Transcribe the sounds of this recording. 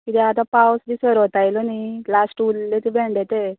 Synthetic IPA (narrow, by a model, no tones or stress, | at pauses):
kit̪ʰɛat̪ãpawsd̪isəɾɔt̪ajlɔnilasʈulːet̪ebʱeɳɖet̪e